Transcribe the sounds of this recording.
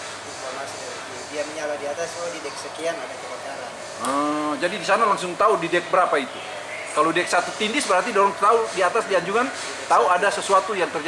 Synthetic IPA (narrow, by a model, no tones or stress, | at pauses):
amas | diamɲaladiat̪asadidɛk̚səkianadak̪upakaɾan | əd͡ʒadidisanalaŋsʊŋt̪audidɛk̚bəɾapait̪u | kalodɛk̚sat̪ut̪indɪsbəɾart̪idoɾɔŋt̪audiat̪asdiaɲd͡ʒuŋan | t̪auadasəsuat̪ujaŋt̪ərd͡ʒ